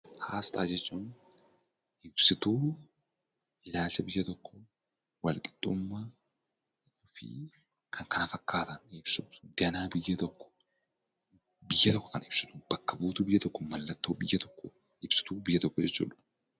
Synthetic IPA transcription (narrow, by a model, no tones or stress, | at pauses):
haːst̪ʼa̰ːd͡ʒɛt͡ʃːuːn | ʔɪbsɪt̪uː | ɪlaːlt͡ʃːɐbɪjːɐt̪ɔkːɔ | wɐlkʼɪ̥d̪̥ʼːʊmːɐ | ʊfɪ̰ | kʰɐŋkɐnɐfɐkːaːt̪ɐnɪbsʊd̪ɪɐnaːbɪjːɐt̪ɔkːɔ̥ | bɪjːɐt̪ɔkːɔ̥kɐnɪb̥sʊ̥t̪ʊb̥ɐkːɐbuːt̪uːbɪjːɐt̪ɔkːɔmɐlːɐt̪ːoːbɪjːɐt̪ɔ̥kːɔ | ɪbsɪ̥t̪uːbɪjːɐt̪ɔkːɔd͡ʒɛt͡ʃːṵːᶑʊ